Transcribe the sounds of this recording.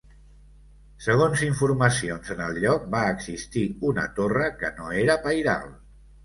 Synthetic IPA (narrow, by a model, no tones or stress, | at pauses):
səɣ̞onziɱfuɾməsionzənəlˠʎɔk̚baəɡzist̪iunə̰t̪orəkənoeɾəpajða̰lˠ